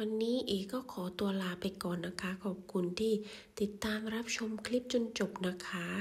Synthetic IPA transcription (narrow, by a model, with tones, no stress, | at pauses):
wa˧nːiː˦˥ʔeː˧kɔː˥˩kʰɔː˩˦t̪u˧ɐlaː˧pa˧jkɔː˨˩nːa˦˥kʰa˦˥kʰɔː˨˩p̚kʰu˧nt̪ʰiː˥˩ | t̪i˨˩t̪ːaː˧mɾa˦˥p̚t͡ɕʰo˧mkʰli˦˥p̚t͡ɕo˧nt͡ɕo˨˩p̚na˦˥kʰa˦˥